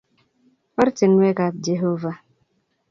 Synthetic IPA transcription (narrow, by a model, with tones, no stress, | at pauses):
ɔ˦ɾɪ˦tɪ˨n̩˦we˦ka˨d͡ʒe˨ɦo˦va˦